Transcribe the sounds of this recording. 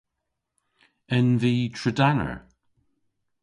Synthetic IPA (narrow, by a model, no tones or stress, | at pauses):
ɪnðitʰɹədanə̰˞